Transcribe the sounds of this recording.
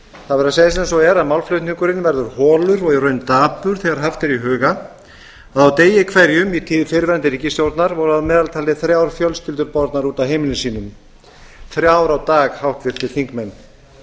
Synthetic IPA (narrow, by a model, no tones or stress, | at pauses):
θaðvɛɾaseːjðɪs̬ensɔɣɛɾaðmawlflœɥt̪niŋkʏɾɪnvɛɾðʏɾhɔːlʏɾɔɣɛrœːɥnt̪aːpʏɾ̥θɛɣaɾ̥ɦaft̪ɪɾiɦœːɣa | aðawt̪eːjɪkʰvɛɾjʏmit̪ʰɪːfɪɾvɛnt̪ɪɾicɪst̪jowɾt̪naɾvɔɾʏaðmɛːðalt̪ʰaːlɪθɾjaːwɾfjœlscɪlt̪ʏɾpɔɾt̪naɾuːt̪awɦejmɪnɪsiːnʏm | θɾjaːwɾawt̪aːɣhawht̪vɪɾ̥t̪ɪθʰiŋkmɛnː